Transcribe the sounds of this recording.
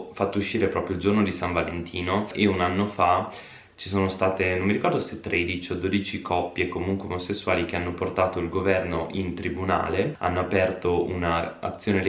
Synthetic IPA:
fat̪ːouʃːiːɾepɾɔpɾjoild͡ʒornod̪isaɱvalent̪ʰiːnoʔeunanːofa | t͡ʃi̥soːnost̪aːt̪enomːiɾikɔrd̪ost̪et̪ːɾʔed̪it͡ʃiod̪oːd̪it͡ʃikʰɔpːjekomuŋkweomosesːuaːlikeanːoport̪aːt̪oilɡovɛrnoʔint̪ɾibuna̰ːlea̰nːoapɛrt̪ounaa̰t̪sːjoːnel

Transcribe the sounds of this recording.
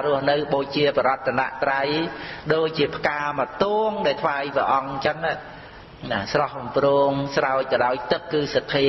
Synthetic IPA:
rʊ̆əhnɨwɓoːc̚t͡ɕiəpɔɾɔət̪ʰːana̰ʔt̪rajɗoːc̚t͡ɕiəpʰəkaːmət̪uːŋɗaɛlt̪ʰʋaːjpəʔɑŋt͡ɕənːa | nasrɑhɓumproːŋsraɔc̚kɑɗaɔjt̪ɨkːɨːsat̪ʰːeː

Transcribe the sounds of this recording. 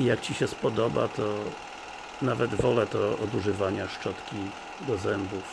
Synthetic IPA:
ijakt͡ɕiɕɛspɔd̪ɔba̰t̪ɔ | navɛd̪vɔlɛt̪ɔɔd̪uʐɘvaɲaʂt͡ʂɔt̪kʲi | d̪ɔzɛmbuf

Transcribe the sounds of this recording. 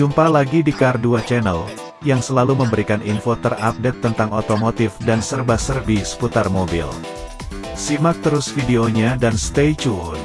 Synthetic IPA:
umpalaɡidikarduat͡ʃɛnəl | jaŋsəlaluməmbəɾikaninfot̪ərap̚det̪ːənt̪aŋot̪omot̪ɪfdansərbasərbisə̥put̪armobḭl | simak̚t̪əɾʊsfideoɲadanst̪ejt͡ʃun

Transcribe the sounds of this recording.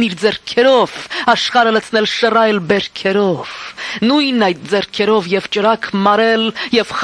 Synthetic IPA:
niɾd͡zɛɾkʰɛɾɔv̥ɑʃχɑɾələt͡sʰnɛlʃərɑjlbɛɾkʰɛɾɔv̥nujnɑjt̪̚d͡zɛɾkʰɛɾɔvjɛvt͡ʃəɾɑkʰmɑɾɛljɛv̥χ

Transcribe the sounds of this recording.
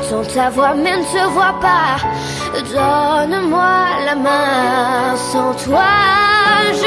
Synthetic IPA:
t̪ɔ̃t̪avwaʁmɛnət̪əvwapa | d̪ɔnmwalamɛ̃ | sɑ̃t̪wa | ʒ

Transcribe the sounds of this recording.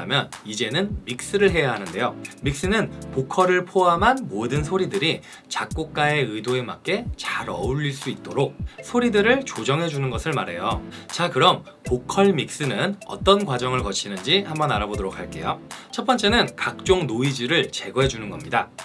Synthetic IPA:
mjʌnid͡ʑe̞nɯnmik̚s͈ɯɾɯɭɦe̞jaɦanɯnde̞jomik̚s͈ɯnɯnpokʰʌɾɯɭpʰoɦamɦanmodɯnsʰoɾidɯɾi | t͡ɕak̚k͈ok̚k͈ae̞ɯjdoe̞mak͈e̞t͡ɕaɾʌ̰uʎːiɭs͈uit̚t͈oɾok̚sʰoɾidɯɾɯɭt͡ɕod͡ʑʌŋɦe̞d͡ʑunɯnɡʌsʰɯɭmaɾe̞jot͡ɕakɯɾʌm | pokʰʌɭmik̚s͈ɯnɯnʌ̰t͈ʌnkwad͡ʑʌŋɯɭkʌt͡ɕʰinɯnd͡ʑihambʌnaɾabodoɾok̚ʰaɭk͈e̞̰jot͡ɕʰʌtp͈ʌnt͡ɕ͈e̞nɯnkak̚t͡ɕ͈oŋnoid͡ʑiɾɯɭt͡ɕe̞ɡʌɦe̞d͡ʑunɯnɡʌmɲida

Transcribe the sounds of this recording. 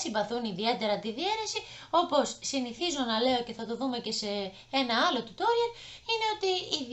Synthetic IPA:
simbɐθuniðie̞t̪e̞ɾɐt̪iðieɾesi | o̞po̞sːiniθizonɐle̞o̞ce̞θɐt̪o̞ðume̞ce̞se̞ | enɐɐlo̞t̪ut̪oɾeɾine̞o̞t̪iːð

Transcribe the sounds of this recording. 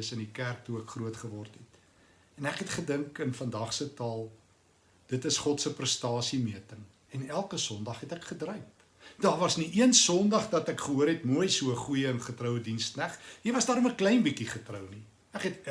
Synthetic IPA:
əsəndikærk̚tuəkχruətχəvɔrtɦɛt | ɛnækɦɛtχədəŋkənfɐndɐχsətɑːlˠ | d̥ətəsχɔtsəprəstɑːsimiətəŋ | ɛnælˠkəsɔndɐχɦɛtækχədrœɥp̚ | d̥ɑːrvɐsniʔiənsɔndɐχdɐtækχəɦuəɾɦɛtmuəjsuəχujəənχətrəwədinstnæχɦivɐsdɑːɾɔməklɛjnbikiχətrəwni | ækɦɛt

